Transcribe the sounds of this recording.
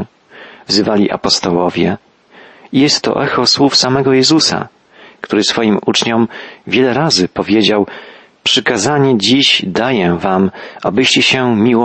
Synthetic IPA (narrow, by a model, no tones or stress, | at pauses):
vzɘvalʲiʔa̰pɔst̪ɔwɔvʲjɛ | ijɛst̪ːɔ̰ʔɛxɔswufsamɛɡɔjɛzusa̰ | kt̪uɾɘsfɔjimut͡ʂɲɔmvʲjɛlɛɾazɘpɔvʲjed͡ʑaw | pʂɘkazaɲɛd͡ʑiʑd̪ajɛvamʔabɘɕt͡ɕɛɕɛmʲiwɔ